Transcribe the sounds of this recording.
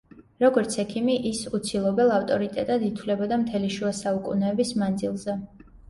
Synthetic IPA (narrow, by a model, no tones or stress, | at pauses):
ɾɔɡɔɾt̪sʰɛkʰimiʔisut̪sʰilˠɔbɛlˠaft̪ʼɔɾit̪ʼɛt̪ʼad̪it̪ʰwlɛbɔd̪amt̪ʰɛliʃuasaukʼṵnɛːbismand̪zilˠzɛ